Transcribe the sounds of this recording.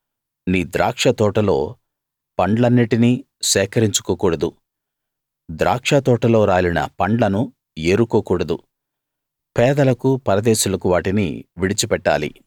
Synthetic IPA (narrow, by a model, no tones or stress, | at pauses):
niːd̪ɾaːkʂɐt̪ɔːʈɐlo̞̰ː | pɐɳɖlɐnːiʈini | ʃɛːkɐɾiɲt͡ʃu̥koːkuːɽɐd̪u | d̪ɾaːkʂɐt̪ɔːʈɐlo̞ːɾaːlinɐ̰pɐɳɖlɐnu | eːɾukoːkuːɽɐd̪u | pɛːd̪ɐlɐkupɐɾɐd̪ɛːʃulɐkuʋaːʈinḭʋiɽit͡ʃipɛʈːa̰ːlḭ